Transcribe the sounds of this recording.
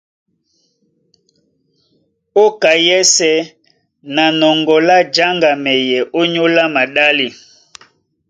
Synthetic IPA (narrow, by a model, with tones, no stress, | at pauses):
o˦ka˨jɛ˦sɛ˦ | na˨nɔ˨ŋɡɔ˨la˦d͡ʒa˦ŋɡa˨mɛ˨jɛ˨ʔo˦ɲo˦la˦ma˨ɗa˦li˨